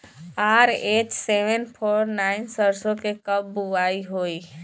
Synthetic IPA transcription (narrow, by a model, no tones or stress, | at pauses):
aːɾeːt͡ʃseːʋənpʰoːɾnaːɪnsəɾsõkekəbːuʋaːiɦoːiː